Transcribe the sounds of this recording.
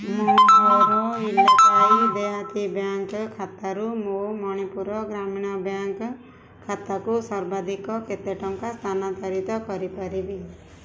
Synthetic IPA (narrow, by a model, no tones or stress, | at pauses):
moɔɾɔilakaid̪eɦat̪ibjaŋkkʰat̪aɾumomɔɽ̃ipuɾɔɡɾamiɽ̃ɔbjaŋk | kʰːat̪akusɔɾbad̪ikɔket̪eʈɔŋkast̪ʰanat̪aɾit̪ɔkɔɾipaɾibi